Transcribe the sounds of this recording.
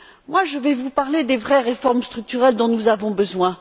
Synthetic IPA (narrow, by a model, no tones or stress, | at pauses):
mwaʒəvɛvupaʁled̪evʁɛʁefɔʁmst̪χyk̚t̪yʁɛld̪ɔ̃nuzavɔ̃bəzwɛ̃